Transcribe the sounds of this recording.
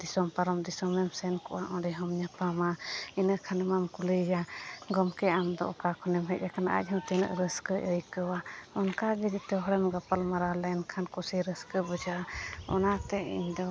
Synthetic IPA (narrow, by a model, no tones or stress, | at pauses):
d̪isɔmpaɾɔmd̪isɔmɛmsɛnkɔʔaʔɔɖɛɦɔmɲapamainəʔkʰanɛmamkuliɡaɡɔmkɛamd̪ɔ̰ʔɔkakʰɔnɛmɦɛc̚ˀakʰanaʔa̰c̚ˀɦɔmt̪ɛnə̰ʔɾəskəʔəjkəwaɔnkaɡid͡ʒit̪ɛɦɔɽɛmɡapalmaɾalɛnkʰankusiɾəskəbɔd͡ʒaʔaɔnat̪ɛḭɲd̪ɔ